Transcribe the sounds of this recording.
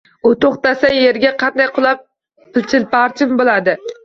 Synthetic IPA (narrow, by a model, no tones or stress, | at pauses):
ut̪oχt̪asɛjeɾɡʲɛqʰɑnd̪ɑjqʰʊlˠɑp̚ | pɪlt͡ʃʰɪlpɑɾt͡ʃʰɪmbolˠæd̪ɪ